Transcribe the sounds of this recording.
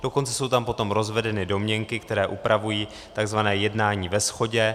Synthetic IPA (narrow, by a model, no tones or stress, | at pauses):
d̥o̞ko̞nt͡sɛ̥so̞wt̪ampo̞t̪o̞mɾo̞zvɛdɛnɪdo̞mɲɛŋkɪkt̪ɛɾɛːʔupɾavujiː | t̪aɡzvanɛːjɛdnaːɲiːvɛsxo̞ɟɛ